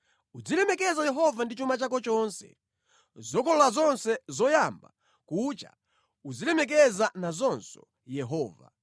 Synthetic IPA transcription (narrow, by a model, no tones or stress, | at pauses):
ud͡zilɛmɛkɛzajɛɦɔvandit͡ʃumat͡ʃak̬ɔt͡ʃɔnsɛ̰ | zɔkʰɔlɔlazɔnsɛzɔjamba̰ | kut͡ʃa̰ | ud͡zilɛmɛk̬ɛzanazɔnsɔ | jɛɦɔːva̰